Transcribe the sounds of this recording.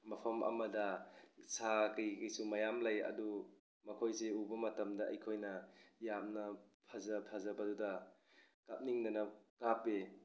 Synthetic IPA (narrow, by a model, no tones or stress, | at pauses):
mɐpʰɐmʔɐ̰mɐdɐsakɯjkijsumɐjamlajɐ̰du | mɐkʰojseubɐmɐtɐmdɐɐ̰jkʰojnɐjamnɐpʰɐzɐpʰɐzɐbɐdudɐ | kap̚niŋnɐnɐkape